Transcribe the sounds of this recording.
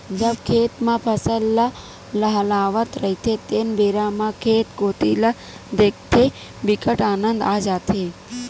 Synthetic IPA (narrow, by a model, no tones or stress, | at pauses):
d͡ʒəbkʰeːt̪mãpʰəsəlːə | ləɦəlaːʋət̪ɾəit̪ʰet̪enbeɾamãkʰeːt̪koːt̪ilə | d̪ek̚t̪ʰe | bikəʈaːnənd̪aːd͡ʒaːt̪ʰe